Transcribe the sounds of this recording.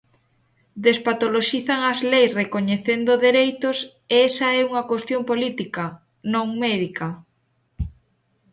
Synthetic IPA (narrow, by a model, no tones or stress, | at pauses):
d̪espat̪oloʃiθaŋɐzlejsrekoɲeθend̪oðeɾejt̪os | eesɐɛuŋɐkwest̪jõmpolit̪ikɐ | nõŋmɛðikɐ